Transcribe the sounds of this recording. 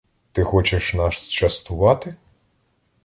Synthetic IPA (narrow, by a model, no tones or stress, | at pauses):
t̪ɪxɔt͡ʃɪʃnɑʃt͡ʃɐst̪ʊʋɑt̪ɪ